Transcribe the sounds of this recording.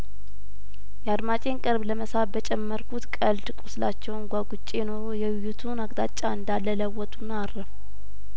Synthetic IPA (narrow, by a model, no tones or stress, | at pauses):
jɛad̪mat͡ʃʼe̞nkʼɨɾbləməsabət͡ʃʼɛmːəɾkʰut̪kʼəlt̪ɨkʼusla̰t͡ʃːɛwnɡʷaɡut͡ʃʼːejno̞ɾojɛwɪjːut̪ʰunaɡd̪at͡ʃʼːaɨnd̪alːələwːɔt̪ʰʼunːaːrːəf